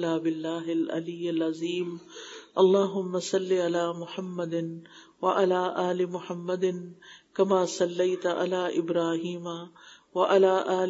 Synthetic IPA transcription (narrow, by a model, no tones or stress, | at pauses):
laːbɪlːaːɦɪlʔɐ̰lijːɪlɐziːmʔɐlˤːaːɦʊmːɐsɐlːɪalaːmʊħɐmːɐd̪ɪn | wɐʔalaːʔaːlɪmʊħɐmːɐd̪ɪnkɐmaːsɐlːejt̪ʔa̰laːʔɪbɾaːɦiːma | wɐʔalaːʔaː